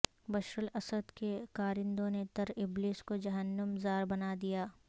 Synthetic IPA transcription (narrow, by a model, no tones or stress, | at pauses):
bɐʃɾəlɐsəd̪kekaːɾɪ̃nd̪õnet̪ɐɾɪbliːskod͡ʒɐɦənːəmzaːɾbɐnaːd̪ijaː